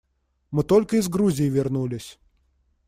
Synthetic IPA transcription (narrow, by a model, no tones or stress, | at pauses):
mɨt̪olʲkəɪzɡɾuzʲɪjɪvʲɪrnulʲɪsʲ